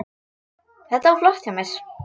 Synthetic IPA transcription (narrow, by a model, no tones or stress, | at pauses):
θɛht̪aaɾflɔht̪james